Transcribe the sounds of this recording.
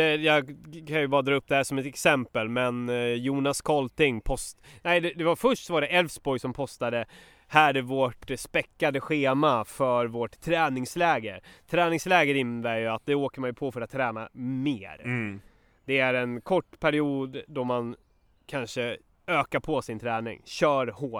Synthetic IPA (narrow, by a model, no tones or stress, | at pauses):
ɛjɑːɡkʰanjɵbɑːɾad̪ɾɑːɵp̚ːd̪ɛhæːʂɔmɛt̪ɛksɛmpəlmɛnjuːnaskʰɔlt̪ɪŋpʰɔst̪næɪd̪ɛd̪ɛvafœʂʈsɔvaɖɛʔɛlvsbɔjsɔmpʰɔst̪ad̪ə | hæːɾɛvoʈspɛkːad̪əɧeːmafœɾvoʈʰːɾɛːnɪŋslɛːɡət̪ʰɾɛːnɪŋslɛːɡəɾɪnːd̪æɾjɵat̪̚d̪ɛoːkəmanjɵpʰɔfœɾat̪ʰːɾɛːna̰mḛːɾ | d̪̥ɛæɾɛnkʰɔʈːpʰæɾɪuːd̪d̪ɔman | kʰanʂə | øːkaɾpʰɔsɪnt̪ʰɾɛːnɪ̰ŋɕœːɾhoː